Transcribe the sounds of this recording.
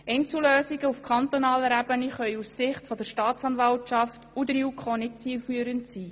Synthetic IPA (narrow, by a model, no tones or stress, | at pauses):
ɛɪnt͡suløːsiɡəufkʰχɑnt̪onɑːləɾæbəniχœʏussɪχtfɔd̪əɾʃtɑːt͡sɑːnvɑltt͡ʃɑftud̪əɾiukʰχonɪtt͡siːfyːəɾəntsiː